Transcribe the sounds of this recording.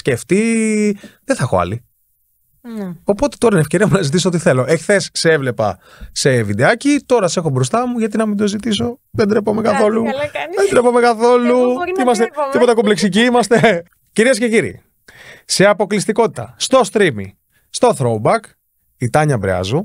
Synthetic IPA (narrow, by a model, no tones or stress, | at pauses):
sceft̪i | ðeθɐexo̞̰ɐ̰li | o̞po̞t̪e̥t̪o̞ɾɐinefceɾiɐmunɐzit̪isoo̞t̪iθe̞lo̞ʔeçθesseevlepɐ̰ | se̞vid̪eɐcit̪o̞ɾɐse̞xo̞bɾo̞st̪ɐmuʝɐt̪̬inɐmind̪o̞zit̪is̬o̞ðed̪ɾepomekɐθo̞luðed̪ɾepo̞me̞kɐθo̞luimɐst̪et̪ipot̪ekopleksic̬iimɐst̪e̞ | ciɾiesceciɾḭ | se̞ɐpo̞klist̪iko̞t̪it̪ɐ̰st̪o̞st̪ɾimḭ | st̪o̞θɾobɐk | it̪ɐɲɐbɾḛɐ̰zu